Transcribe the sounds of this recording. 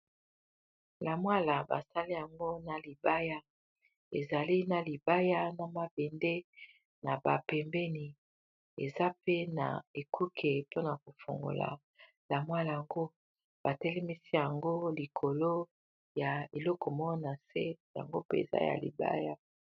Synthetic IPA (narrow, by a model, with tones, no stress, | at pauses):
la˨mwa˦la˨ba̰˨sa˦li˦ja˨ŋɡo˦na˨li˨ba˦ja˦ | e˨za˨li˦na˨li˨ba˦ja˦na˨ma˨be˨nde˦ | na˨ba˨pɛ˨mbɛ˦ni˨ | e˨za˦pe˦na̰˨e˨kʰu˦kʰe˨po˦na˨ko˨fo̰˨ŋɡo̰˨la̰˨ | la˨mwa˦la˨a˨ŋɡo˦ | b̥a˨tɛ˦lɛ˦mi˦si˦ja˨ŋɡo˦li˨kʰo˨lo˦ | ja˨e˨lɔ˦kɔ˨mɔ˦na˨se˦ja̰˨ŋɡo˦pḛ˦ḛ˨za̰˦ja̰˨lḭ˨ba̰˦ja˦